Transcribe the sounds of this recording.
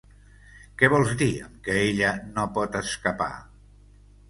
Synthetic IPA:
kɛβɔlˠzd̪iə̰mkəeʎənopɔt̪əskəpa̰

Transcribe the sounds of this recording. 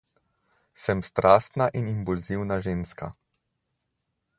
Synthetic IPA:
sɛmst̪ɾʔaːst̪naʔinimpulziwnaʒeːnska̰

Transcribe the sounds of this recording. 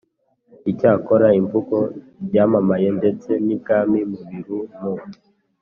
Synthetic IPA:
icaːkoɾaiɱvuko̞ | ɟaːmamaje̞nde̞t͡se̞nikaːmimuβiɾumu

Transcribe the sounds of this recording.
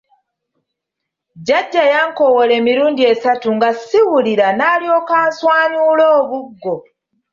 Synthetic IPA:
ɟaɟːajaːŋko̞wole̞ːmiɾuːndie̞satuŋɡasiwuliɾanaːlio̞ːkaːnswaːɲuːlo̞ːβuɡːo̞

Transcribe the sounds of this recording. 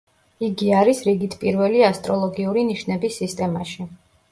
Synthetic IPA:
iɡiaɾisɾiɡit̪ʰpʼiɾvɛliast̪ʼɾɔlˠɔɡiuɾiniʃnɛbisːist̪ʼɛmaʃi

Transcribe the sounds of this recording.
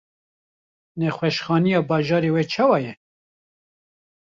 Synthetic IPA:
nɛxwɛʃxɑːnijɑːbɑːʒɑːɾeːwɛt͡ʃʰɑːwɑːjɛ

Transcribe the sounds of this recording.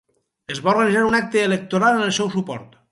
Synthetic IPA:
ezβaoɾɣənizaɾunak̚t̪eːlək̚t̪oɾalˠənelˠsɛwsupɔ̰ɾt̪

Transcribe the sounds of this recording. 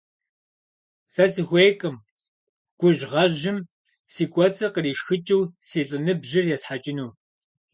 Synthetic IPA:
sɐsixʷeːkʼɨm | ɡ̥ʷʊʒʁɐʒɪm | siːkʷʼɔt͡sʼɐqəriːʃxɨt͡ʃʼɪwsiːɬʼɨnɨbʒɪrjɛsħat͡ʃʼɪnuː

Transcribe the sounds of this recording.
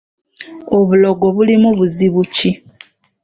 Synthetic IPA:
oβuloɡoβulimuβuziβuci

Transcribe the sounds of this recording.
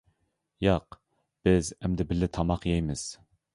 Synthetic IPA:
jɑq | b̥ɪzɛmd̪ɪbɪlːɪt̪ʰɑmɑqjɛjmɪz̥

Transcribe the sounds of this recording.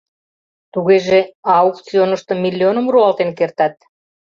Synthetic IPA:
t̪uɣeʒeɑuk̪t͡sionəʃt̪ɤmilʲːionəmruɑlt̪enkert̪ɑt̪̚

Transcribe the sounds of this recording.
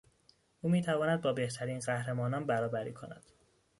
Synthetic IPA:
ʔuːmiːt̪ʰævɒːnæd̪̚bɒːbe̞ht̪ʰæɾiːnɢæhɾemɒːnɒːnbæɾɒːbæɾḭːkʰo̞̰næ̰d̪̥

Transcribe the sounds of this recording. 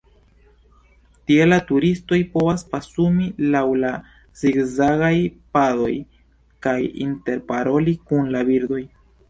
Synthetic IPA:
tie̞latuɾisto̞jpo̞vaspasumilawla | ziɡzaɡajpado̞̰j | kajḭnte̞ɾpaɾo̞likunlabiɾdo̞j

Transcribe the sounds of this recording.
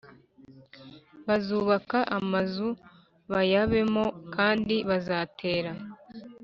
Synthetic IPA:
βazuːβakaʔamazu | βajaβe̞mo̞kʰaːndiβazaːtʰe̞ːɾa

